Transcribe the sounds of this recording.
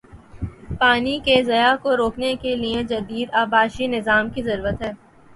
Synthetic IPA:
paːnikezɐjakoɾoːknekelied͡ʒɐd̪iːd̪aːbaːʃinɪzaːmkizɐɾuːɾət̪ɦɛː

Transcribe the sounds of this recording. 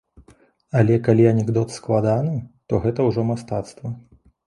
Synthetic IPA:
alʲɛkalʲiɐnʲɛɡd̪ɔt̪sklˠad̪anɨt̪ɔɣɛt̪ɐwʐɔmast̪at̪st̪vɐ

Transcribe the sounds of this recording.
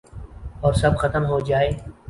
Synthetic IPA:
ɔːɾsɐbxət̪əmɦoːd͡ʒaːeː

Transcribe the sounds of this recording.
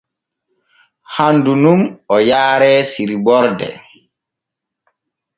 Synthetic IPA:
handunumɔjaːɾɛːsiɾibɔɾdɛ̰

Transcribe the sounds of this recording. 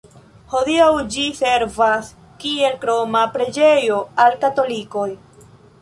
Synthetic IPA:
ho̞diawd͡ʒise̞ɾvas | kie̞lkɾo̞mapɾe̞d͡ʒe̞jo̞alkato̞liko̞j

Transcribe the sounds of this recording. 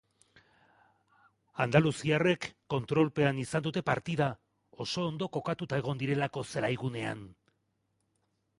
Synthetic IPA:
and̪alusiare̞kːo̞nt̪ɾo̞lpe̞anisand̪ut̪e̞paɾt̪iða | o̞so̞ːnd̪o̞ko̞kat̪ut̪ae̞ɣ̞o̞nd̪iɾe̞lako̞selajɣune̞a̰n

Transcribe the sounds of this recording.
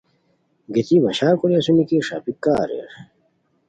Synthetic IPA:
ɡet̪ibɐɕaːkuɾiɐsunikiʂa̰pikːaːɾḛɾ

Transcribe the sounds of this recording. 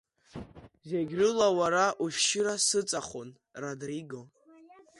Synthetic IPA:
zeɡʲrɨlawaɾaʔuʃʃɪɾasɨt͡sʼaχon | radriɡo̞

